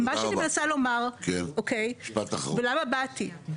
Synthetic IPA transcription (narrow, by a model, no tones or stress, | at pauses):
maʃanimnasalo̞maʁkenokejʃpat̪aχvelamabati